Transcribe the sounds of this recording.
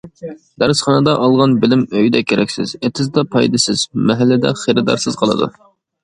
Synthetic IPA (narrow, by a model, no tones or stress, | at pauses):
d̪̥æɾsχɑnɨd̪ɑʔɑlˠʁɑnbɪlɪmøjd̪ɛkʲʰːeɾʔɛkʲsɪ̰z̥et̪ʰɪzd̪ɑpʰɑjd̪ɨsɪz̥mɛɦælːɪd̪ɛ̰χeɾɨd̪ɑ̰ɾsɨz̥qʰəlˠɨ̰d̪ṵ